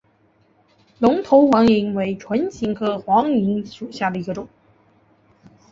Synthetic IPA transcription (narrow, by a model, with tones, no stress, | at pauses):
lʊ˧˥ŋt̪ʰo˧˥ʊxwɑ˧˥ŋi˧˥ŋwe˧˥ɪʈ͡ʂʰwə˧˥nt͡ɕʰi˧˥˩ŋkʰɤ˥˩xwɑ˧˥ŋi˧˥ŋʂu˨˩ɕja˥˩d̪ə˩i˧˥ɡə˧ʈ͡ʂʊ˨˩˦ŋ